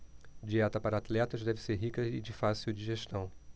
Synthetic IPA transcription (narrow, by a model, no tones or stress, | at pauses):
d͡ʒiɛt̪ɐpaɾɐat̪lɛt̪ɐzd̪ɛvɪseɾɦikɐɪd͡ʒɪfasiuwd͡ʒiʒeʃt̪ɐ̃w̃